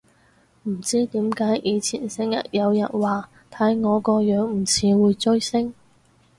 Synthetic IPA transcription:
m̩˨˩t͡siː˥t̪iː˨˥mkaː˨˥jʔiː˨˧t͡sʰḭː˨˩nsɪ˨˥ŋjɐ̰˨t̚jɐ˨˧wjɐ̰˨˩n̚waː˨˩ | t̪ʰɐ˨˥jŋɔː˨˧kɔː˧jœː˨˥ŋm̩˨˩t͡sʰiː˨˧wuː˨˧jt͡ʃɵ˥ɥsɪ˥ŋ

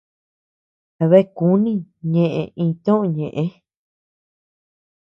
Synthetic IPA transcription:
βe˦˨ku˦nĩ˦ɲẽ˧ʔḛ̃˧˨ʔĩː˧t̪õ˦ʔõ˧˨ɲẽ˨ʔẽ˦

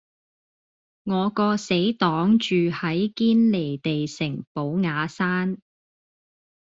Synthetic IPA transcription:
ŋɔː˨˧kɔː˧se˨˥jt̪ɔː˨˥ŋt͡ʃyː˨hɐ˨˥jkiː˥nle˨˩jt̪e˨jsɪ˨˩ŋpo˨˥wŋaː˨˧saː˥n

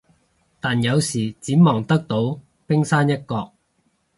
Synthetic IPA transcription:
t̪aː˨˩njɐ˨˧wsiː˨˩t͡siː˨˥mɔː˨˩ŋt̪ɐ˥k̚t̪o˨˥w | pɪ˥ŋsaː˥njɐ˥t̚kɔː˧k̚

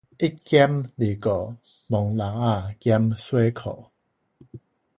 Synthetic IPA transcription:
i˦˥ki˦mli˨˩kɔ˨˩ | mɔ˨ŋla˨˦a˥˧˨ka˦mswe˦kʰɔ̰˨

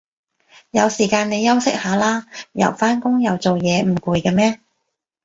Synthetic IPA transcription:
jɐ˨˧wsiː˨˩kaː˧ne˨˧jɐ˥wsɪ˥k̚haː˨˧˥laː˥jɐ̰˨˩wfaː˥nkʊ˥ŋjɐ˨˧wt͡so˨wjɛː˨˧m̩˨˩kuː˨˧jkɛː˧mɛː˥

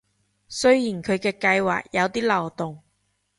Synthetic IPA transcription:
sɵ˥ɥjiː˨˩nkʰɵ˨˧ɥkɛː˧kɐ˧jwa̰ː˨k̚jɐ˨˧wt̪iː˥lɐ˨˩wt̪ʊ˨ŋ

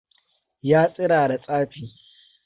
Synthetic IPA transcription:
jaː˦sʼɪ˦ɾaː˨da˨sʼaː˦ɸiː˨

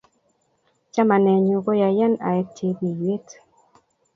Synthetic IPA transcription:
t͡ʃa˦ma˨nɛ˨ɲu˨ɡo˦ja˨jɛ˦na̰˨ɛ˦tʰe˦bi˨je˦t

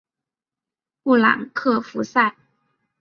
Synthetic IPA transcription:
pu˥˩la̰˨˩ŋkʰɤ˥˩fu˧˥sa˥˩ɪ

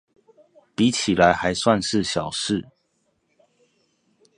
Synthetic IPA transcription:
pi˨˦t͡ɕʰi˨˩la˨˦ɪxa˧˦ɪswa˥˧nʂɻ̩˥˨ɕjɑ˨˩ʊʂɻ̩˥˩˨

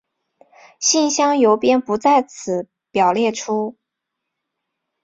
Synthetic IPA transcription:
ɕi˥˩nɕjɑ˥ŋjo˧˥ʊpjɛ˥npu˧˥t͡sa˥˩ɪt͡sʰɹ̩˨˩˦ | pjɑ˨˩ʊljɛ˥˩ʈ͡ʂʰu˥

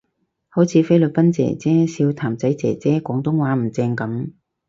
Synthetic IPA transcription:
ho˨˥wt͡sʰiː˨˧˥fe˥jlɵ˨t̚pɐ˥nt͡sɛ̰ː˨˩t͡sɛː˥siː˧wt̪ʰaː˨˩mt͡sɐ˨˥jt͡sɛ̰ː˨˩t͡sɛː˥kʷɔː˨˥ŋt̪ʊ˥ŋwaː˨˥m̩˨˩t͡sɛː˧ŋkɐ˨˥m

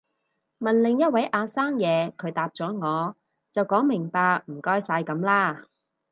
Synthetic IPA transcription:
mɐ˨nlɪ˨ŋjɐ˥t̚wɐ˨˥jʔaː˧saː˥ŋjɛː˨˧kʰɵ˨˧ɥt̪aː˨p̚t͡ʃɔː˨˥ŋɔː˨˧ | t͡sɐ˨wkɔː˨˥ŋmɪ˨˩ŋpaː˧k̚m̩˨˩kɔː˥jsaː˧jkɐ˨˥mlaː˥

